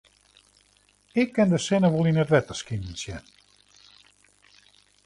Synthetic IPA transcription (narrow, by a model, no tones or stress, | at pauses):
ɪkːɪndəsɪnəʋolˠinətʋɛtəskinn̩sjɛn